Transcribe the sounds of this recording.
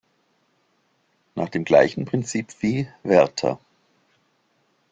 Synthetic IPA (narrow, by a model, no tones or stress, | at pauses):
naːχd̥eːmɡla̰ɪçn̩pʁ̥ɪnt͡siːpv̥iːvɛɐtʰɐ̰